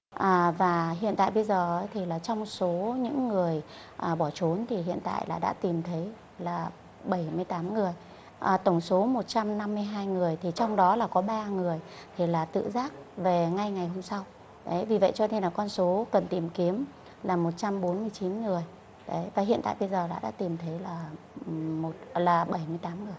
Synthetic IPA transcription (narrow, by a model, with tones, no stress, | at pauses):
ʔaː˨˩vaː˨˩ɦḭ˧˨ənt̪a̰ː˧˨jɓə˧jzəː˨˩ʔə˨˦jt̪ʰi˨˩laː˨˩t͡ɕɔ˧wŋ͡mso˨˦ɲɨ̰˧˥ŋːɨ˨˩əj | ʔəː˨˩ɓɔ˧˩t͡ɕo˨˦nt̪ʰi˨˩ɦḭ˧˨ənt̪a̰ː˧˨jlaː˨˩ɗa̰ː˧˥t̪i˨˩mt̪ʰə˨˦j | laː˨˩ | ɓə˧˩jmɨ˧əjt̪aː˨˦mŋɨ˨˩əj | ʔəː˨˩t̪ə˧˩wŋ͡mso˨˦mo˨˩t̚t͡ɕa˧mna˧mːɨ˧əjɦaː˧jŋɨ˨˩əjt̪ʰi˨˩t͡ɕɔ˧wŋ͡mɗɔ˨˦laː˨˩kɔ˨˦ɓaː˧ŋɨ˨˩əj | t̪ʰi˨˩laː˨˩t̪ɨ̰˧˨zaː˦˥k̚ve˨˩ŋa˧jŋa˨˩jɦo˧msa˧w | ɗə˨˦jvi˨˩və̰˧˨jt͡ɕɔ˧ne˧nlaː˨˩kɔ˧nso˨˦kə˨˩nt̪i˨˩mki˨˦əm | laː˨˩mo˨˩t̚t͡ɕa˧mɓo˨˦nmɨ˧əjt͡ɕi˨˦nŋɨ˨˩əj | ɗə˨˦jvaː˨˩ɦḭ˧ənt̪a̰ː˧˨jɓə˧jzəː˨˩la̰ː˧˩ɗa̰ː˧˥t̪i˨˩mt̪ʰə˨˦jlaː˨˩ | mo˨˩t̚laː˨˩ɓə˧˩jmɨ˧əjt̪aː˨˦mŋɨ˨˩əj